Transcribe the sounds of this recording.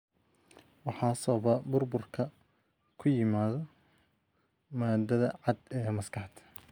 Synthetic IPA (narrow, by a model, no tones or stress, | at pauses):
wɑħɑːsɐβɐbʊrbʊrkʰɐ | kʰʊjɪmaːðɔ | maːd̪ɐðɐʕɑd̪ɛːmɐskʰɑħt̪ʰ